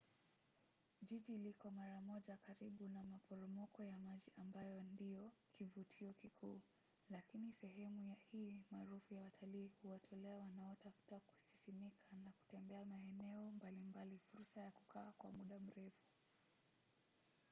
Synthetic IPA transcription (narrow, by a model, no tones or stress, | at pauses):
ʄiʄilikɔmaɾamɔʄakaɾiɓunamapɔɾɔmɔkɔjamaʄiʔambajɔndijɔkʰivutʰiɔkikʰuː | lakinisɛɦɛmujahiːmaːɾufujawatʰaliːhuwatʰɔlɛawanaɔtafu̥taku̥sisimikʰanaku̥tɛmbɛamaɛnɛɔmbalimbalifuɾsajaku̥kaːkwa̰muɗam̩ɾɛfu̥